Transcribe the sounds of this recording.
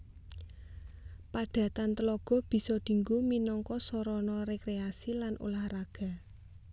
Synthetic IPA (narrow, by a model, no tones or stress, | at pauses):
paɖ̥ä̤t̪ant̪əlɔɡ̥ɔ̤b̥i̤sɔd̪̥i̤ŋɡuminɔŋkɔsɔɾɔnɔɾekɾeasilanʔṵlahraɡ̥a̤